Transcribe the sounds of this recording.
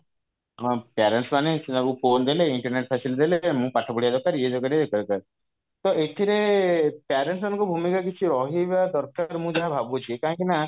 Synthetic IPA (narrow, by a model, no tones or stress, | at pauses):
paɾeɳʈsmanẽsinaɡupʰond̪eleiɳʈɔɾneʈ̚pʰɛsild̪eleemũpaʈʰabuɽijad̪ɔkaɾied̪ɔkaɾied̪ekaɾkaɾ | t̪ɔʔeʈ̪ʰiɾepaɾeɳʈsmanɔ̃ŋkubʱumikakit͡ʃʰiɾɔɦiʋad̪ɔɾkaɾmũd͡ʒaɦabʱabut͡ʃʰiekaɦãŋkina